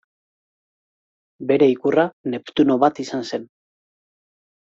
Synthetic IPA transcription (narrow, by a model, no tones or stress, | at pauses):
be̞ɾe̞ikurane̞pt̪uno̞βat̪isanse̞n